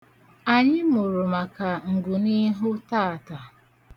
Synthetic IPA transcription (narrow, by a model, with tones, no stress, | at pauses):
a˨ɲɪ˦mʊ˨ɾʊ˨ma˨ka˨ŋ̩˨ɡʊ˨ni˦ɦʊ˦ta˦˨ta˨